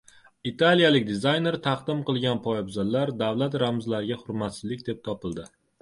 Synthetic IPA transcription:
it̪ʰalijalɪk̚ʲd̪ɪzajne̞ɾt̪ʰɑqd̪ɪmqɨlˠɡʲanpʰɒɪbzalːaɾd̪awlˠat̪ɾamzlaɾɪɡʲaχʊɾmat̪sɪzlɪk̚ʲd̪e̞p̚t̪ʰɒpɪlˠd̪ɪ

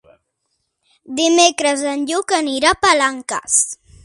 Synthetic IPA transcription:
d̪ɪmekɾaz̬anʎʊkaniɾapalaŋka̰s

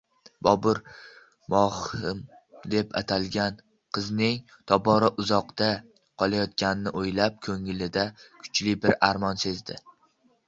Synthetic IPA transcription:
bɒbʊɾ | mɒhɪm | d̪e̞pʰa̰t̪ʰalˠɡʲan | qʰɨznɪŋ | t̪ʰɒbɒɾɒʔʊzɒqd̪a | qʰɒlˠajɒt̪̚kʲanɪnːɪʔojlap̚kʰɵŋɪlɪd̪akʰʊ̥t͡ʃlɪbɪɾaɾmɒnse̞zd̪ɪ

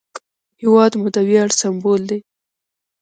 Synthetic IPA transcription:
hɪwɑd̪mud̪əwjɑɽsambold̪e

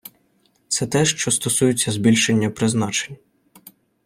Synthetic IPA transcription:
t̪sɛt̪ɛʃt͡ʃɔst̪ɔsujʊt͡sʲːɐzbʲilʲʃe̞nʲːɐpɾɪznɑt͡ʃenʲ

